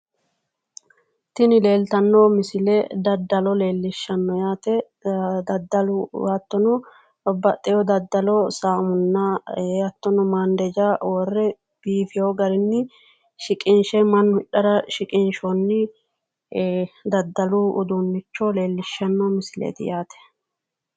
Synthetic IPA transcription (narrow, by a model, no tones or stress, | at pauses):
t̪ɪnɪle̞ːlt̪ɐnːomɪsɪlɛd̪ɐd̪ːɐlɔle̞ːlːɪʃːɐnːɔjaːt̪ɛ | d̪ɐd̪ːɐlʊat̪ːɔnʊ | bɐt̪ʼːɛjɔd̪ɐd̪ːɐlɔsaːmʊnːɐɐt̪ːɔnɔmaːnd̪ɛd͡ʒawɔrːɛ | b̥iːfɪjoːɡɐɾɪnːɪ | ʃɪkʼɪnʃɛmɐnːʊɪɗːɐɾɐʃɪkʼɪnʃɔnːɪ | d̪ɐd̪ːɐlʊʊ̰d̪unːɪt͡ʃːɔle̞ːlːɪʃːɐnːɔmɪsɪlḛt̪ɪ̰jaːt̪ɛ̥